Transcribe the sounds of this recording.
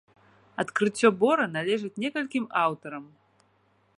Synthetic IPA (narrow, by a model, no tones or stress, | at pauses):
ɐt̪kɾɨt͡sʲːɔbɔɾɐnalʲɛʐɨt͡sʲnʲɛkɐlʲkʲimawt̪ɐɾɐm